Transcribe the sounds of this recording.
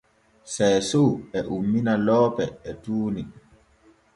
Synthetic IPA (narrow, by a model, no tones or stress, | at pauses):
sɛsoɛʔumːinalɔːpɛɛtuːni